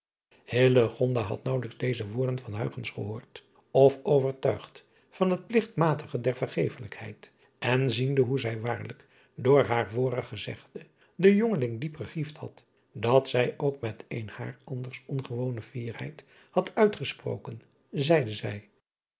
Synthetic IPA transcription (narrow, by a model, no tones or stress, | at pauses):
hɪləχɔndaɦɑ̰tnɑwləkzdejzəʋʊːɹdənvɑnɦœ̰ɥχənsχəɦʊːɹt | ɔfowvəɹtœɥχt | fɑnɦət̚plɪχtmaːtʰəχədɛɹvəɹχejfələkhɛ̰jt | ʔɛnzindəɦuzɛjʋaːɹlək | dʊːɹɦaːɹvʊːrəχəzɛ̰χdə | dəjoŋəlɪŋdipχəχifthɑ̰t | dɑtsɛjʔowkmɛtenha̰ːrɑndəɹsɔnχəʋownəv̥iːrhɛ̰jt | hɑtʰœɥtχəspro̰wkən | zɛjdəzɛj